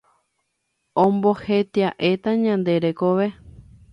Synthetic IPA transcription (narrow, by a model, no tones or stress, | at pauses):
õmbohet̪iaʔet̪aɲãnd̪e̞ɾekoʋe̞